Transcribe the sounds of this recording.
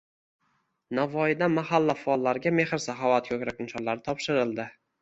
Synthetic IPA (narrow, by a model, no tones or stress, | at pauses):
navɒjɪd̪anmahalːafʊɒlˠːaɾɡʲame̞hɪɾsaɦɒvat̪̚kʲʰɵkʲɾakɪnsɒnlaɾɪt̪ʰɒpʃɪɾɪlˠd̪ɪ